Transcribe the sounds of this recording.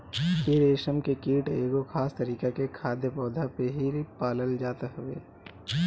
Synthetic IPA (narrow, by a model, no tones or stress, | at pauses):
pɪɾeːʃəmkekiːʈeːɡokʰaːst̪ɐɾiːkekekʰaːd̪jəpɔːd̪ʱapeɦipaːləld͡ʒaːt̪aɦʊwḛː